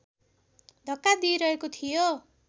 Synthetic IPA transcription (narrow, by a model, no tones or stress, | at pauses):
d̪ʱʌkːad̪iɾʌɦekot̪ʰijo